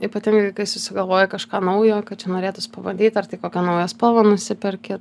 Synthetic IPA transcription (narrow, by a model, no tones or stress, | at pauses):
iːpɐt̪ʲɪŋɡɐɪkɐɪsʊsʲɪɡɐlˠʋoːjɛkɐʃkɑːnɐʊjoːkɐt̪̚t͡ʃʲɛnoːɾʲeːt̪ʊspɐʋɐnʲd̪ʲiːt̪ɐrt̪ʲɪkoːkʲɛnɐʊjɛspoːʋɐnʊsʲɪpʲɛɾʲkʲɪt